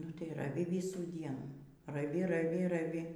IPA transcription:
nʊ tɐɪ rɐˈʋʲɪ ˈʋʲɪsuː ˈdʲiɛnuː rɐˈʋʲɪ rɐˈʋʲɪ rɐˈʋʲɪ

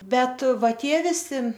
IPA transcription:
ˈbʲɛt ˈʋɐ ˈtʲiɛ ʋʲɪˈsʲɪ

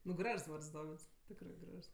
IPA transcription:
nʊ ˈɡrɐʃs ˈʋɐrts ˈdoːʋʲɪts ˈtʲɪkrɜ ˈɡrɐʃs

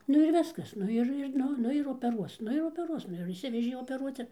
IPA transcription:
ˈnʊ ɪr ˈʋʲɪskɐs ˈnʊ ɪr ɪr ˈnʊ ˈnʊ ɪr oːpʲɛˈruɔs ˈnʊ ɪr oːpʲɛˈruɔs ˈnʊ jɛʊ ɪʃʲˈsʲɪʋʲɛʒʲeː oːpʲɛˈruɔt͡s ɪr

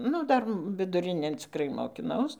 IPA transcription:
ˈnʊ ˈdɐr ʋʲɪdʊˈrʲɪnʲeːn t͡sʲɪkˈrɐɪ moːkʲɪˈnɐʊs

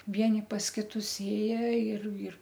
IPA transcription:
ˈʋʲiɛnʲɪ pɐs ˈkʲɪtʊs ˈeːjɛ ɪr ɪr

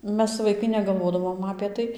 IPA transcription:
ˈmʲɛs ʋɐɪˈkɐɪ nʲɛɡɐlˠˈʋoːdɐʋoːm ɐpʲeː ˈtɐɪ

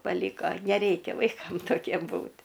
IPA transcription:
pɐˈlʲiːkoː nʲɛˈrʲɛɪkʲɛ ʋɐɪˈkɐm toːˈkʲiɛm ˈbuːtʲ

